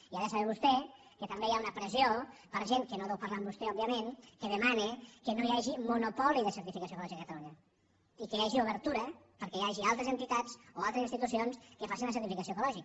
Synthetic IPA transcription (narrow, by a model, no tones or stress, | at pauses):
iaðəsaβɛβust̪ɛ | kət̪əmbejaunəpɾəziopəɾʒeŋkənoðewpaɾlambust̪ɛɔbiəmenkəðəmanekənojaʒimunupɔliðəsəɾt̪ifikasoekulɔʒikəkət̪aluɲə | ikəjaʒiuβəɾt̪uɾə | pəɾkɛjaʒialˠt̪ɾəzənt̪it̪at͡soalˠt̪ɾəzinst̪it̪usionskəfasinləsəɾt̪ifikasioekulɔʒik